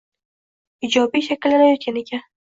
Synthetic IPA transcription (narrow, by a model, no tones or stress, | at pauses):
ɪd͡ʒɒbijʃakʲɪlːad̪ajot̪̚kʲanekʲʰa